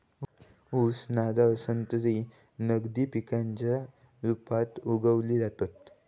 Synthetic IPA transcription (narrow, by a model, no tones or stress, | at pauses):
usnad̪aəsənt̪ɾi | nəɡd̪iːpikaɲt͡ɕja | ɾupat̪uɡəʋliːd͡zat̪at̪